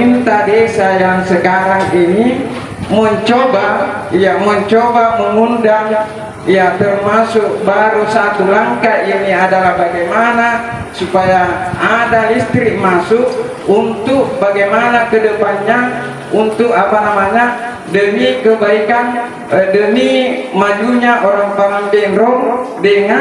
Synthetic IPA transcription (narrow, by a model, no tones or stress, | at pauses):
int̪adɛsajaŋsəkaɾaŋini | məɲt͡ʃɔba | jaməɲt͡ʃɔbaməŋundaŋ | jat̪ərmasʊk̚baɾusat̪ulaŋkaʔiniadalahbaɡajmana | supajaadalist̪ɾiʔmasuk | unt̪uk̚baɡajmanakədəpanɲa | unt̪ukapanamaɲa | dənikəbaikan | dənimad͡ʒuɲaʔoɾaŋpalaŋbɛnrɔŋdəŋa